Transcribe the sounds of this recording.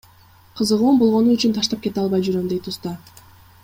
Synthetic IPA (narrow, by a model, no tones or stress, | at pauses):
qʰɯzɯʁuːmbo̞lˠʁo̞nuyt͡ʃynt̪ʰɑʃt̪ɑp̚ke̞t̪ɑlˠβɑjd͡ʒyɾømd̪ejt̪ust̪ɑ